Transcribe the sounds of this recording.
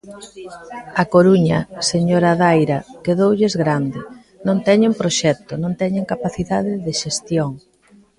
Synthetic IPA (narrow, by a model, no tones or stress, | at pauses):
ɐkoɾuɲɐseɲoɾɐðajɾɐkeðowʎɪzɣɾand̪ɪ | nõnt̪ɛɲempɾoʃɛt̪ʊnõnt̪ɛɲeŋkapaθiðaðɪðɪʃest̪joŋ